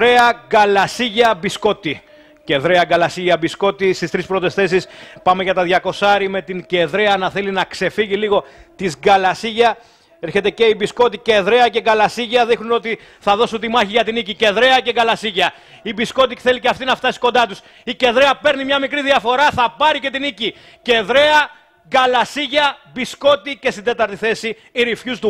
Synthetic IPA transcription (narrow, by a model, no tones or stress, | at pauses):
ɾeɐɡɐlɐsiʝɐbisko̞t̪i | ce̞ðɾeɐɡɐlɐsiʝɐbisko̞t̪ist̪ist̪ɾispɾo̞t̪e̞sθe̞s̬ispɐme̞ʝɐt̪ɐðʝɐko̞sɐɾime̞t̪iŋɟe̞ðɾeɐnɐθe̞linɐkse̞fiʝiliɣo̞t̪izɡɐlɐsiʝɐ | eɾçet̪e̞ce̞ibisko̞t̪ice̞ðɾe̞ɐce̞ɡɐlɐsiʝɐðixnuno̞t̪i | θɐðo̞sunt̪imɐçiʝɐt̪inicice̞ðɾe̞ɐceɡɐlɐsiʝɐ | ibisko̞t̪̬i̥θe̞liceɐft̪inɐft̪ɐsi̥ko̞nd̪ɐt̪us | ice̞ðɾeɐpe̞ɾnimɲɐmikɾiðiɐfo̞ɾɐθɐpɐɾice̞t̪inici | ce̞ðɾe̞ɐ | ɡɐlɐsiʝɐbisko̞t̪ice̞st̪ind̪e̞t̪ɐɾt̪iθe̞si | iɾifçust̪u